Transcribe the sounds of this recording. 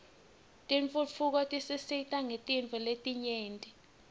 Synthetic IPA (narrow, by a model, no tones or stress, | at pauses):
tʼiɱfufʰuk̬ɔtʼisisitʼaŋetʼiɱfʼuletʼiɲeːntʼi